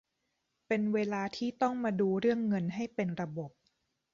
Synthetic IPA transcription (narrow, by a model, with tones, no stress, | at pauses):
pe˧nweː˧laː˧t̪ʰiː˥˩t̪ɔ˥˩ŋmaː˧duː˧ɾɯ˥˩əŋːɤ˧nɦa˥˩jpe˧nɾa˧bo˨˩p̚